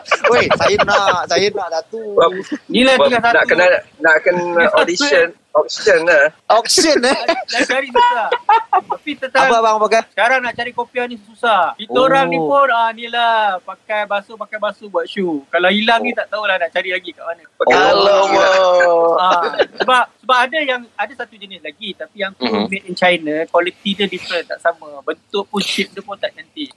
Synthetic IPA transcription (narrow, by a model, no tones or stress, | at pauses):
esajənasajənadat̪unĩlahtiŋasanak̪ənanaʔkənodisən | ɔk̚sid͡ʒənaɔk̚sənənat͡ʃaɾisəsusaht̪apit̪ət̪apabaŋpakasə̥kaɾaŋnaʔt͡ʃaɾikopianĩsəsusahkit̪oɾaŋnĩpʊnanilahpakajbasopakajbasobuat̪̚ʃukalawilaŋnĩt̪aʔt̪aulahnaʔt͡ʃaɾilaɡikaʔmanə̃əkalowo | asəbap̚səbapadajaŋadasat̪ud͡ʒənɪslaɡit̪apijaŋpumɪt̪int͡ʃajnakwalit̪idədifɾənt̪aʔsamãbənt̪ʊʔpʊnt͡ʃip̚dəpʊnt̪aʔnant̪i